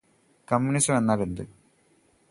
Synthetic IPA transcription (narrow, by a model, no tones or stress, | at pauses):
kɐmːunisɐmenːaːɭend̪ɨ